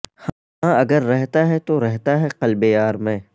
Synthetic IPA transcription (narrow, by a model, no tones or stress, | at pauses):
hã | ãɐɡəɾːɛɦt̪aɦɛt̪oɾɛɦt̪aɦɛqɐlbejaːɾmẽː